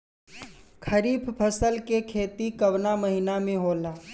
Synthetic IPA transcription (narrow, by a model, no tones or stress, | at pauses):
kʰɐɾiːpʰpʰɐsəlkekʰeːt̪ikɐʋnaməɦinamẽɦoːlaː